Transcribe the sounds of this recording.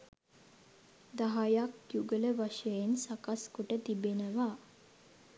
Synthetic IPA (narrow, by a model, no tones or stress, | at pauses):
d̪aɦajakjuɡələʋaʃəjensakaskuʈət̪ibenəʋaː